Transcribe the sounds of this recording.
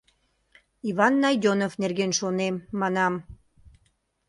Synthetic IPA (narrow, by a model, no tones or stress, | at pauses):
iβɑnːɑjd̪ʲonofnerɣenʃonemːɑnɑm